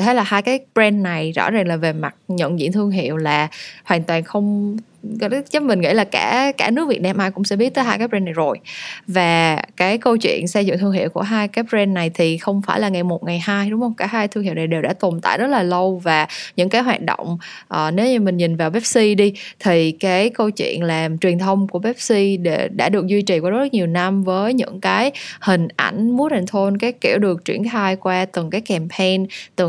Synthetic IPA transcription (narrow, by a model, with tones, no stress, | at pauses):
t̪ʰe˨˦laː˨˩haː˧jkaː˨˦jɓzɛ˧nːa˨˩jzɔ̰˧˥zaː˨˩ŋlaː˨˩ve˨˩ma˨˩t̚ɲə̰˧˨nzḭ˧˨nt̪ʰɨ˧əŋɦḭ˧˨əwlaː˨˩hwaː˨˩nt̪waː˨˩nxə˧wŋ͡m | zə˦˥p̚mï˨˩ŋ̟ŋḭ˧˥laː˨˩kaː˧˩kaː˧˩nɨ˦˥k̚vi˨˩t̚naː˧mʔaː˧jkʊ̰˧˥ŋ͡msɛ̰˧˥ɓi˦˥t̚t̪əː˨˦ɦaː˧jkaː˨˦˥p̚zɛ˧nːa˨˩jzo˨˩jvaː˨˩kaː˨˦jkə˧wt͡ɕwḭ˧˨ənsɛ˧jzʊ̰˧˨ŋt̪ʰɨ˧əŋhḭ˧˨əwku˧˩əɦaː˧jkaː˨˦jpzɛ˧nːa˨˩jt̪ʰi˨˩xə˧wŋ͡mfa̰ː˧˩jlaː˨˩ŋa˨˩jmo˨˩t̚ŋa˨˩jhaː˧jɗʊ˨˦ŋ͡mhə˧wŋ͡mkaː˧˩haː˧jt̪ʰɨ˧ŋhḭ˧˨wna˨˩jɗe˨˩wɗa̰ː˧˥t̪o˨˩nt̪a̰ː˧˨jzə˦˥t̚laː˨˩lə˧wvaː˨˩ɲɨ̰˧˥ŋkaː˨˦jɦwaː˨˩t̚ɗo̰˧˨wŋ͡m | ʔəː˨˩ne˨˦wɲɨ˧mï˨˩ŋ̟ɲï˨˩n̟vaː˨˩wɓɛ˦˥p̚si˧ɗi˧t̪ʰi˨˩kaː˨˦jkə˧wt͡ɕwḭ˧˨ənlaː˨˩mt͡ɕwi˨˩ənt̪ʰə˧wŋ͡mku˧˩əɓɛ˦˥p̚si˧ɗe˧˩ɗa̰ː˧˥ɗɨ˨˩ək̚zwi˧t͡ɕi˨˩kwaː˧˩˦zk̚ɲi˨˩əwna˧mvəː˨˦jɲɨ̰˧˥ŋkaː˨˦jhï˨˩ŋ̟ʔa̰˧˩jŋ̟mu˨˦˥ətʰa˨˩ŋt̪ʰo˧nkaː˨˦jki˧˩əwɗɨ˨˩ək̚t͡ɕwḭ˧˩ənxaː˧jkwaː˧t̪ɨ˨˩ŋkaː˨˦jkɛ˨˩mpʰɛ˧nt̪ɨ˨˩